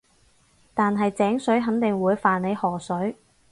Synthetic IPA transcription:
t̪aː˨nɦɐ˨jt͡sɛː˨˥ŋsɵ˨˥ɥɦɐ˨˥nt̪ɪ˨ŋwuː˨˧jfaː˨nle˨˧jhɔː˨˩sɵ˨˥ɥ

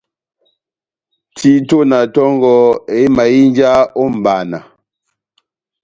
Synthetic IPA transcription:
tʰi˦to˦na˨tɔ˦ŋ˦ɡɔ˦e˨˦ma˨ji˦n˦d͡ʒa˦o˦m̩˨ba˨na˨

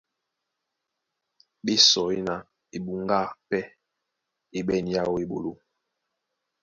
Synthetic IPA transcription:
ɓi˦sɔ˨i˦na˨ | i˨ɓu˨ŋɡa˦˨pɛ˦ | i˨ɓɛ˦˨n˨ja˦wo˦i˨ɓo̰˨lo˦

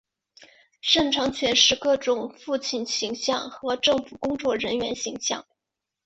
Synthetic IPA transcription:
ʂɤ˥˩ŋʈ͡ʂʰɑ˧˥ŋt͡ɕʰɥɛ˧˥nʂɻ̩˥˧kɤ˥˩ʈ͡ʂʊ˧˩ŋfu˥˧t͡ɕʰi˥˩nɕi˧˥ŋɕjɑ˥˩ŋxɤ˧˥ʈ͡ʂɤ˥˩ŋfu˨˩kʊ˥ŋt͡swɔ˥˩ɻə˧˥nɥɛ˧˥nɕi˧˥ŋɕjɑ̰˥˩ŋ

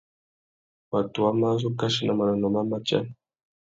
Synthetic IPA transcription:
wa˨tu˨wa˦ma˦zu˦ka˦ʃi˦na˨ma˨na˨nɔ˨ma˦ma˦t͡ʃa̰˦n

